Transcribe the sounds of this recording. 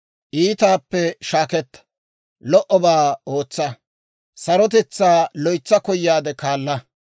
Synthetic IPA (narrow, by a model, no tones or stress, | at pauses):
ʔiːt̪aːpːɛʃaːkɛt̪ːɐ̥ | lɔʔɔbaːoːt͡sːɐ | sɐɾɔt̪̬ɛt͡sːaːlɔjt͡sːɐkɔjːaːd̪ɛkaːlːɐ